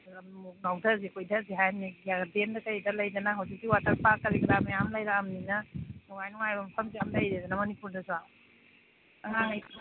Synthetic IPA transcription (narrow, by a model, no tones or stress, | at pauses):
ɐmuk̚nawdʰɐzikʰojdɐziɦajniɡijaɡɐdendɐkɐɾidɐlɐjdɐnɐɦɐwzik̚diwatʰɐɾpakɐɾiɡɐɾamejamlɐjɾaːmninɐnwajnuŋajbɐmpʰɐmzamlɐjɾedɐnɐmɐnipuɾdɐsua | ɦaŋaj